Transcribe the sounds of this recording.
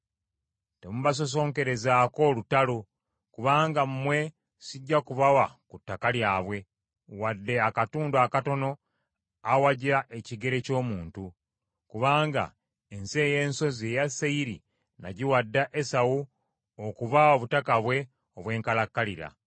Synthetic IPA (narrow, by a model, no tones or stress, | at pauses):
temuβas̬o̞s̬o̞ːŋke̞ɾe̞zaːko̞lutalo | kuβaːŋɡamumwe̞ | siɟːakuβawakutːakaljaːβwe̞ | wadːe̞akatuːndakato̞no̞ | awaɟiɾaʔeciɡe̞ɾe̞co̞ːmuːntu | kuβaːŋɡa̰ | ense̞ːje̞ːnso̞ze̞jaseiɾi | na̰ɟiwadːaʔesawu | okuβawaβutakaβwe̞ | oβwe̞ːŋkalakːaliɾa̰